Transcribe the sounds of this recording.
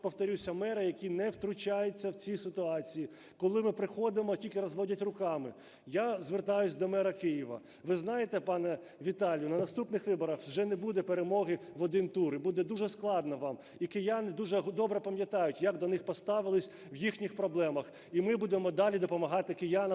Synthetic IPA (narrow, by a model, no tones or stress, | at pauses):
pɔwt̪ɔɾʲusʲɐmɛɾɐjɐkʲinɛwt̪ɾʊt͡ʃajet͡sʲːɐwt͡sʲisɪt̪ʊɑt͡sʲiji | kɔlˠɪmɪpɾɪxɔd̪ɪmɔtʲilʲkɪɾɔzʋɔdʲɐtʲrʊkɑmɪ | jazʋert̪ɑjʊsʲd̪ɔmɛɾɐkɪjiʋɐ̰ | ʋɪznɑjet̪ɛpɑnɛ | ʋʲit̪ɑlʲjʊnɐnɐst̪upnɪxʋɪbɔɾɐxʒɛnɛbud̪ɛpeɾemɔɦɪʋɔd̪ɪnt̪uɾibud̪ɛd̪uʒɛsklˠɑd̪nɐʋɑm | ikɪjanɪd̪uʒɛɦd̪ɔbɾɛpɐmʲjɐt̪ɑjʊtʲjɐkd̪ɔnɪxpɔst̪ɑʋɪlˠɪsʲ | ʋjixnʲixpɾɔblˠɛmɐx | imɪbud̪emɔd̪ɑlʲid̪ɔpɔmɐɦɑt̪ɪkɪjanɐ